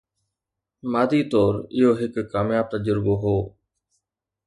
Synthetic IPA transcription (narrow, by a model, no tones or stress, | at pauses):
maːd̪it̪ɔːɾɪɦoɦɪkːaːmjaːb̚t̪ɐd͡ʒəɾboɦoː